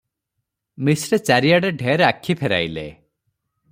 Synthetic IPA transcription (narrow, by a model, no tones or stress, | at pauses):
misɾet͡ʃaɾijaɽeɖʱeɾeakʰːipʰeɾa̰jlḛ